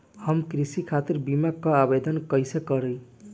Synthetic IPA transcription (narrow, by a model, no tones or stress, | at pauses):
hʌmkɾisikʰat̪iɾbimakːʌabed̪ʌnkʌjsekʌɾʌj